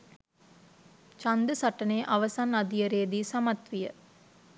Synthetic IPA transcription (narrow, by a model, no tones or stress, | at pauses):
t͡ʃand̪əsaʈəneːʔaʋəsanad̪ijəɾeːd̪iːsamat̪ʋijə̰